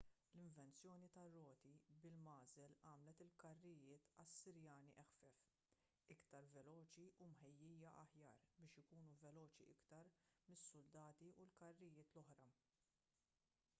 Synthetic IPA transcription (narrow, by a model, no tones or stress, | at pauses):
lɪɱvɛnt͡sjɔːnit̪ɐrːɔːt̪ibɪlmɐːzɛlɐːmlɛt̪ɪlkɐrːɪjɪːt̪ɐsːɪɾjɐːniʔɛxfɛf | ɪkt̪ɐɾvɛlɔːt͡ʃiʔumħɛjːiːjɐʔɐħjɐ̰ːɾbɪːʃɪkuːnuvɛlɔːt͡ʃiʔɪkt̪ɐɾmɪsːʊld̪ɐːt̪iʔulkɐrːɪjɪːt̪lɔħɾɐ